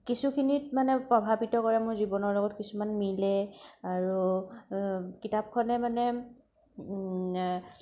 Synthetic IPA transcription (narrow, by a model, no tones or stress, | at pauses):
kisukʰinitmanɛpɹɔbʱabitɔkɔɹɛmʊɹzibɔnɔɹlɔɡɔtkisumanmilɛaɹu | kitap̚kʰɔnɛmanɛ